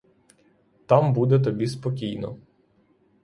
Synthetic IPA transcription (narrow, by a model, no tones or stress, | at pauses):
t̪ɑmbud̪ɛt̪̬ɔbʲispɔkʲijnɔ̰